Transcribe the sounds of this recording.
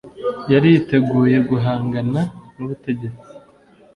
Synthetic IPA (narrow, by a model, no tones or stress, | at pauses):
jaɾijte̞ɡuːje̞ɡuɦaːŋɡananuβute̞ɟe̞t͡si